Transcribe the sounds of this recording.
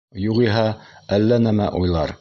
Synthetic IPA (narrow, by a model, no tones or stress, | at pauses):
juʁiɦæælːænæmæ̰ʔujlˠɑɾ